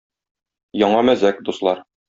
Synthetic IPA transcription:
jɒɴɑmæzækd̪uslˠɑɾ

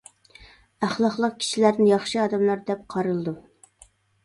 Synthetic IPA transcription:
æχlˠɑχlˠəq̚kʲʰi̥ʃilæɾd̪ɪnjɑχʃɨɑːd̪ɛmlˠɑɾd̪ɛp̚qʰɑɾɨlˠɨd̪u

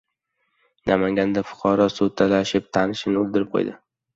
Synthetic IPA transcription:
nʔamaŋɡʲand̪afʊ̥qʰɒɾɒsot̪ʰalaʃɪp̚t̪ʰanɪʃɪnɪʊlˠd̪ɪɾɪp̚qʰo̰jd̪ɪ

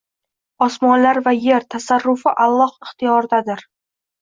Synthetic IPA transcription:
ɒsmɒnlaɾvaje̞ɾt̪ʰasaɾːʊfɪʔalˠːɒhɪχt̪ʰɪjɒɾd̪ad̪ɪɾ

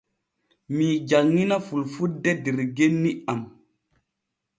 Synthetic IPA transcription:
mid͡ʒaŋːinafulfudɛdiɾɡenːiam

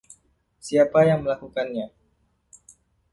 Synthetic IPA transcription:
siapajaŋməlakukanɲa

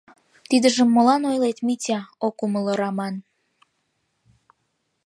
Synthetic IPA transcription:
t̪id̪əʒəmːolɑnojlet̪mitʲɑokumələɾɑmɑn

